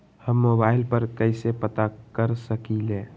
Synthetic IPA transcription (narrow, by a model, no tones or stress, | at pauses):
həmːoːbaːɪlpəɾkəɪsepət̪akəɾsəkilẽː